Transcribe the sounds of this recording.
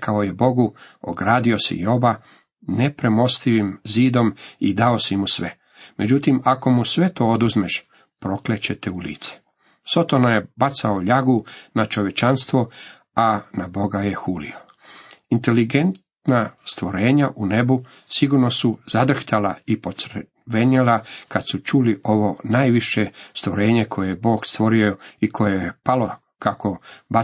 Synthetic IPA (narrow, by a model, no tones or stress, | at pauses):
kʰaojebo̞ɡuo̰ɡɾaːd̪io̞sḭjo̞ba | ne̞pɾemo̞st̪iʋimziːd̪o̞mid̪ao̞simusʋe | me̞d͡ʑut̪imako̞musʋe̞t̪o̞ːod̪uzmeʃ | pɾo̞klet͡ɕe̞t̪eulḭːt̪se̥ | so̞t̪o̞najebat̪saoʎaɡunat͡ʃo̞ʋje̞t͡ʃanst̪ʋo | anabo̞ɡajexuːlḭo | int̪eliɡe̞nt̪ | nast̪ʋo̞ɾe̞ːɲaʔune̞bu | siɡuɾno̞suzad̪r̩xt̪alaipo̞t̪sɾ | ʋeɲelakad̪sut͡ʃuliʔo̞ʋo̞naːjʋiʃest̪ʋoɾe̞ːɲe̞kʰo̞jejebo̞ːkst̪ʋo̞ɾioikʰo̞jejepalo | kako̞ba